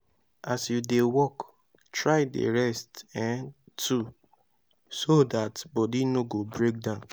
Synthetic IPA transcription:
asjudewɔk | tɹaɪdḛɹɛstɛ̃n | tʰu | sodatbɔdinoɡobɹek̚dãʊ̃n

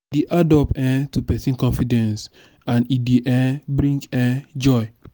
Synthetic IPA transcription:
deʔadɔpɛ̃tupɛsĩnkɔ̃nfidɛ̃ns | ãnideʔɛ̃bɾĩŋkɛ̃d͡ʒɔj

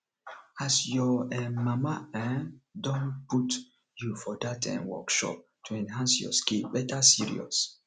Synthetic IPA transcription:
asjɔɛmamaɛ̃dɔ̃nput | jufɔdatʰɛ̰̃nwɔ̰kʃɔ̰p̚ | tʰuɛ̃nhãnsjɔ̰skilbɛtʰəsiɹḭɔ̰s

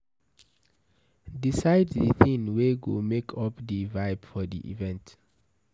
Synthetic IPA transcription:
disajddiθĩnweɡomekʰɔpdivaɪbfɔdḭʔḭvɛ̃nt

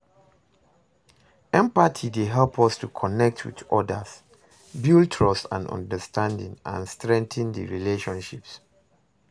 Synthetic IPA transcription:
ɛ̃mpatʰideɦɛlpʰɔstukʰɔnɛk̚tʰwḭdɔdəs | bjiltʰɹɔstã̰nɔ̰̃ndəstʰãndḭ̃ŋã̰nstɹɛ̃ŋθə̃ndə̰ɹileʃɔ̃nʃips

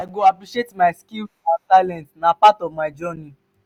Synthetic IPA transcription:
ajɡoapɾiʃietmajskil | asalɛ̃ntnãpatɔvmajd͡ʒɔnĩ

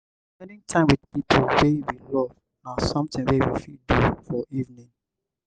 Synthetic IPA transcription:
spɛndĩŋtʰãɪ̃mwidpipʰulwewilɔv | ãnsɔ̃mtĩŋwewḭfidufɔʔivnĩŋ

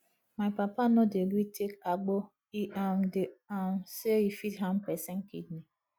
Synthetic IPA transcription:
maɪpapanɔdeɡɾitʰekaɡ͡bɔ | iamdeamseifitɦãmpɛsɛŋ̩kidni

